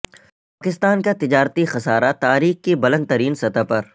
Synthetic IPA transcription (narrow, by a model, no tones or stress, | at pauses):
paːkɪst̪aːnkat̪ɪd͡ʒaːɾt̪ixɐsaːɾat̪aːɾiːxkebɐlə̃nd̪t̪ɐɾiːnsɐt̪apɐɾ